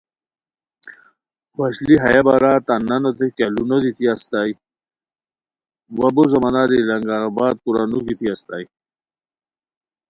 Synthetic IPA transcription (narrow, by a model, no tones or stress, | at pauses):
wɐɕliɦɐjabaɾat̪anɐnot̪ekalunod̪it̪ʰiast̪aj | wɐbozɐmanaɾilɐŋɡaɾabaːd̪̚kuɾanuɡit̪ʰiast̪a̰j